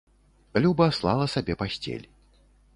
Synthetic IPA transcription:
lʲubɐslˠa̰lˠɐsabʲɛpasʲt͡sʲḛlʲ

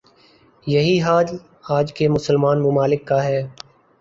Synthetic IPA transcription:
jɐɦiɦaːd͡ʒ | aːd͡ʒkemʊsəlmaːnmʊmaːlɪkːaɦɛː

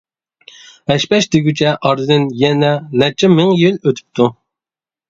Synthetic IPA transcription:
hɛʃpɛʃd̪eɡʲyt͡ʃʰɛʔɑɾd̪ɨd̪ɪnjɛnɛnɛt͡ʃʰɛmɨŋjiløt̪ʰy̥p̚t̪ʰu

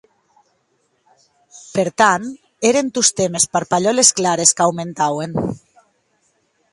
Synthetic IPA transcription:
peɾt̪an | eɾent̪ust̪emespaɾpaʎolesklaɾeskawment̪awen

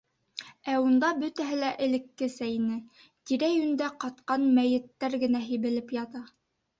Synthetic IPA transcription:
æund̪ɑbɵt̪æɦɘlæʔɘ̆lɘ̆kːɘsæjnɘ | t̪iɾæjʉnd̪æqɑt̪̚qɑnmæjɘ̆t̪ːæɾɡɘ̆næɦiβɘ̆lɘpjɑt̪ɑ

